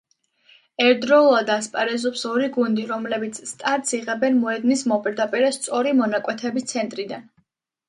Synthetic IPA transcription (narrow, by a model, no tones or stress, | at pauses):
ɛɾd̪ɾɔuad̪aspʼaɾɛzɔpsɔɾiɡund̪iɾɔmlɛbit̪sʰst̪ʼaɾt̪siʁɛbɛnmɔɛd̪nismɔpʼiɾd̪apʼiɾɛst̪sʼɔɾimɔnakʼwɛt̪ʰɛbist̪sʰɛnt̪ʼɾid̪an